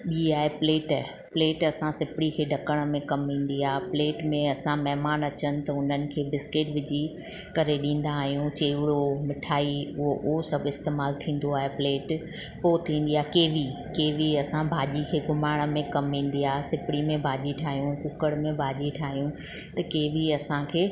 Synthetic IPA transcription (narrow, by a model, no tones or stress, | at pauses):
ɓiːaːɦepleːʈː | pleːʈɐsãsɪpɪɽikʰeːɖʱɐkəɽ̃̆mẽkɐmɦĩːn̆d̪iaːɦpleːʈmẽɐsãmɛɦɪmaːnɐt͡ɕənɪ̆t̪ɐʊn̤ənɪ̆kʰeːbɪskɪʈʋɪd͡ʑi | kɐɾeɗĩːn̆d̪aːɦijũt͡ɕeːʋɪɽomɪʈʰaːiʊɦoʔʊɦosɐbʱɪst̪eːmaːlt̪ʰĩːn̆d̪oaːɦepleːʈ | poːt̪ʰĩːn̆d̪iaːɦekeːʋi | keːʋiɐsãbʱaːʄikʰeːɡʊmaːɽ̃ə̆mẽkɐmɦĩːn̆d̪iaːɦsɪpɪɽimẽbʱaːʄiʈʰaːɦijũkʊkəɽmẽbʱaːʄiʈʰaːɦijũ | t̪ɐkeːʋiɐsãkʰeː